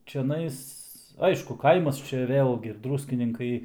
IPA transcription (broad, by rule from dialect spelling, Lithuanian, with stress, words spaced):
t͡ʃʲɛˈnɐɪs ˈɐɪʃkʊ ˈkɐɪmɐs ˈt͡ʃʲɛ ˈʋʲeːlʲɡʲɪ ˈdruːsʲkʲɪnʲɪŋkɐɪ